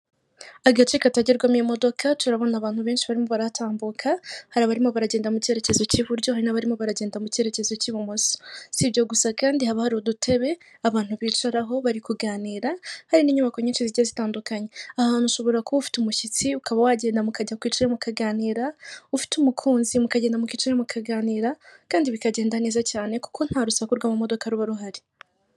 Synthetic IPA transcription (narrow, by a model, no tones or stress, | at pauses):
aɡat͡ʃikataɟiɾɡwamemo̞do̞kʰatuɾaβo̞naːβaːn̥huβe̞ːnʃiβaɾimo̞βaɾatʰaːmbukʰahaɾaβaɾimo̞βaɾaɟeːndamuce̞ɾe̞ce̞zo̞ciβuɾɟo̞haɾinaβaɾimo̞βaɾaɟe̞ːndamuce̞ɾe̞ce̞zo̞ciβumoso̥siβjo̞ɡusakaːndihaβahaɾiodutʰe̞βe̞ | aβaːn̥huβiːt͡ʃaɾaɦo̞βaɾikuɡaːniːɾahaɾiniɲumako̞ɲet͡ʃeziazitaːndukaɲe̞ahaːnuʃo̞βo̞ɾakoufi̥tumuʃit͡siukaβawaɟe̞ːndamukaɟakwiːt͡ʃɾemukaɡaːniːɾaufi̥tumukʰuːnzimukaɟeːndamukit͡ʃiɾemukʰaɡaːniːɾakaːndiβikaɟe̞ːndane̞ːzacaːne̞ku̥ko̞n̥haɾusakuɾɡwamumo̞do̞kaɾuβaɾuɦaɾi